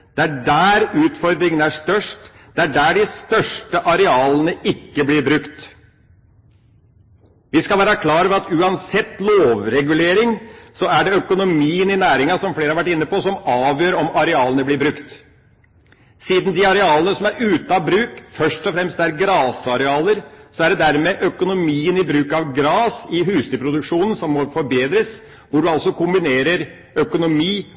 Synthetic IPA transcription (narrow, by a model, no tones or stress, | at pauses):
d̪̥ɛæɖæːɾʉːt̪fɔɾd̪ɾɪŋənæʂt̪œʂʈ | d̪̥ɛæɖæːɖɪst̪œʂʈəʔɑɾɛɑːlənəɪkːəblɪɾbɾʉkt̪ | ʋɪskɑlʋæːɾəkʰlɑːɾəʋɛɑt̪ʉːɑnsɛt̪ːloːʋɾɛɡʉleːɾɪŋsɔæɖɛœkʊnʊmiːənɪnæːɾɪŋɑsɔmfleːɾəhɑɾʋæʈːɪnːəpɔsɔmɑːʋjøːɾɔmɑɾɛɑːlənəblɪɾbɾʉkt̪ | siːd̪nd̪ɪɑɾɛɑːlənəsɔmæɾʉːt̪ɑbɾʉːkfœʂʈɔfɾɛmst̪æɾɡɾɑːsɑɾɛɑːləɾsɔæɖɛd̪æɾmɛʔœkʊnʊmiːənɪbɾʉːkɑʋɡɾɑːsɪɦʉːst̪ɪpʰɾʊd̪ʉkʂuːnən̩sɔmːɔfɔɾbeːd̪ɾəs | ʋʊɖʉɑlsɔkʰʊmbɪneːɾəɾ | œkʊnʊmiː